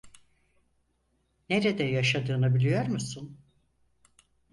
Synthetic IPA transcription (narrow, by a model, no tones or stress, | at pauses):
neɾɛd̪ɛjaʃad̪ɯːnabilʲijo̞ɾmusun